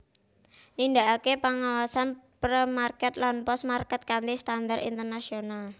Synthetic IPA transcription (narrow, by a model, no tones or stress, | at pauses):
nind̪a̤ʔakepaŋawasanpɾəmarkɛt̪lanpɔsmarkɛt̪̚kant̪ist̪andarḭnt̪ərnasional